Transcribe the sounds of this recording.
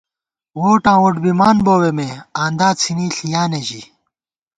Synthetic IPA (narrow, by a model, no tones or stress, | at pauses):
woːʈãːwoʈbimaːnboːwemeaːnd̪aːt͡sʰiniːɬijaːneʑi